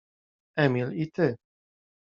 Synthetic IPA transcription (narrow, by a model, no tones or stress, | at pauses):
ɛmilit̪ʰe